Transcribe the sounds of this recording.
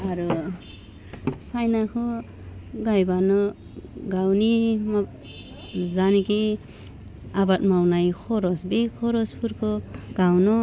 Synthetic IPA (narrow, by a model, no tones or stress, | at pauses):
aɾu | sajnakʰɔ | ɡajbanɔ | ɡawnimak̚ | zaniki | abat̚mawnajkʰɔɾɔsbikʰɔɾɔspʰuɾkʰɔɡ̥awnɔ